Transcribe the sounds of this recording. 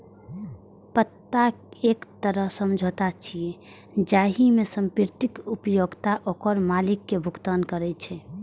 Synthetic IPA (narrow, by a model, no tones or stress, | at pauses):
pət̪ːaeːkt̪əɾəɦsəmd͡ʒʱot̪at͡ʃʰie | d͡ʒaːɦimesəmpɪɾt̪ɪkupjoɡt̪aʔoːkəɾmalikːebʱuɡt̪ankəɾɛt͡ʃʰɛ